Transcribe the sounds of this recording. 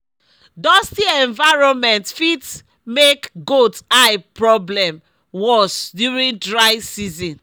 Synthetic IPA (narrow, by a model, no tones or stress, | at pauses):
dɔstiɛ̃ɱvaɪɹɔ̃nmɛ̃ntfits | mekɡotapɹɔblɛ̃m | wɔsdjuɹĩndɹaɪsizɔ̃n